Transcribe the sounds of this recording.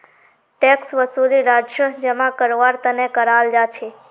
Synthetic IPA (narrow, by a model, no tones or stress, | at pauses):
ʈeksʋəsuliɾad͡ʒjəd͡ʒemãkəɾʋaɾt̪ənekəɾald͡ʒat͡ʃʰe